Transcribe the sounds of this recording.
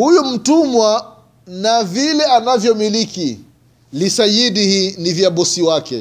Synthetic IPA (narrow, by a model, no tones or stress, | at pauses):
hujum̩tumwa | navilɛanavjɔmiliki | lisajiɗihiːnivjaɓɔsiwakɛ̰